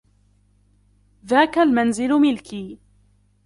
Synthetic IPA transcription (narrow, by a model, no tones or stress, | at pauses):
ðaːkalmanzɪlmɪlkiː